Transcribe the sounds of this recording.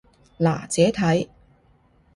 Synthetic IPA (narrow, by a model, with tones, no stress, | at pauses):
la̰ː˨˩t͡sɛː˨˥t̪ʰɐ˨˥j